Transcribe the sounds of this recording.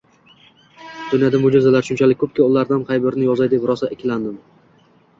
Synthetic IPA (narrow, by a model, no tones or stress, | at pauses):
d̪̥ʊnjad̪amʊd͡ʒɪzalaɾʃʊnt͡ʃʰalɪkʲkʰːɵp̚kʲɪʊlˠaɾd̪anqʰɑjbɪɾnɪjɒzajd̪ɪpɾɒsaʔɪkʲʰɪland̪ɪm